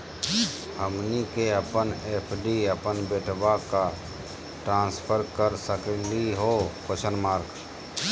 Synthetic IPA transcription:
həmnikeəpənepʰɖiəpənbeːʈʰbaka | ʈɾãːnspʰəɾkəɾsəkliɦokot͡ʃʰənmaːɾɡ

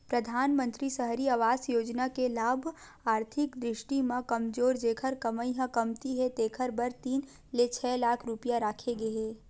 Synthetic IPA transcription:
pɾɐd̪ʱaːnmə̃nt̪ɾisəɦɾiaːʋaːsjoːd͡ʒnakelaːbʱ | aːɾt̪ʰɪkd̪ɾɪʃʈimãkɐmzoːɾd͡ʒeːkʰəɾkɐməiɦãkɐmt̪iɦɛt̪eːkʰəɾbɐɾt̪iːn | let͡ʃʰɛːlaːkʰɾʊpijaɾaːkʰeɡɐɦeː

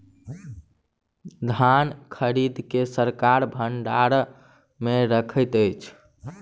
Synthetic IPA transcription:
d̪ʱankʰəɾid̪ʱkesəɾkaɾbʱəɳɖaɾ | meɾəkʰəjt̪əjt͡ʃʰ

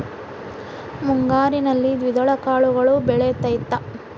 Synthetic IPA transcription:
muŋɡaːɾinɐlːid̪ʋid̪ɐɭɐkaːɭuɡɐɭubɛɭet̪ɐjt̪ːɐ

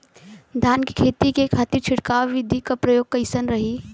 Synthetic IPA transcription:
d̪ʱaːnki̥kʰeːt̪ikekʰaːt̪iɾt͡ʃʰʊʈkaːwʋɪd̪ʱikapɾɐjoːɡ̚kɐɪsənɾɐɦi

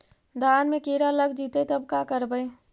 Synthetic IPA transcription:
d̪aːnmẽkeːɾalɐɡd͡ʒiːt̪et̪ɐbkakəɾbəe

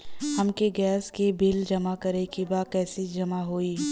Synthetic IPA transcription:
hɐmkeɡɛːskebɪld͡ʒɐmakɐɾekibaːkɛːsid͡ʒɐmaɦoːiː

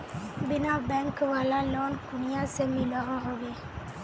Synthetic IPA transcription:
binabɛŋkəwalalɔnkuniasemilɔɣɔɣɔɡe

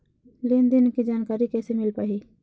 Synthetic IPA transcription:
leːnd̪ɪnkid͡ʒaːnkaːɾikɛːsemɪlpaːɦiː

